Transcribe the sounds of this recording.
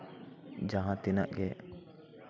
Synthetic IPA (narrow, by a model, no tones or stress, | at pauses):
d͡ʒaɦãt̪ina̰ʔɡɛ